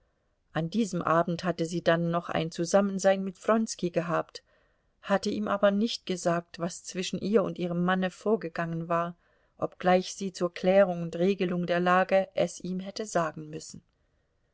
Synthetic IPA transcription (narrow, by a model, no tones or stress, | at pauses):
ʔandiːzəmʔaːbm̩thatəziːdanːɔχa̰ɪnt͡suzamənzaɪnmɪtfʁɔnskiɡəɦaːpt | hatəʔiːmʔaːbɐnɪçt̚ɡ̥əzaːk̚tv̥ast͡sv̥ɪʃn̩ʔiːɐʊ̰ntʔiːʁ̞əmːanəfoːɐɡəɡaŋənvaːɐ | ʔɔpɡ̥laɪçz̥iːt͡suːɐkʰl̥ɛːʁ̞ʊŋʊntʁeːɡəlʊŋdeːɐlaːɡəʔɛsʔiːmɦɛtəzaːɡŋ̩mʏsn̩